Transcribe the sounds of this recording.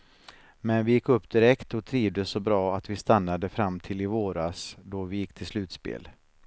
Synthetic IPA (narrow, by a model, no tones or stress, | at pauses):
mɛnvɪjɪkːɵpːd̪ɪɾɛkt̪ɔt̪ʰɾiːvd̪əsɔbɾɑːat̪vɪst̪anːad̪əfɾamːt̪ʰɪlɪvoːɾasd̪ɔvɪjɪkːt̪ʰɪlslʉ̟ːt̪spḛːl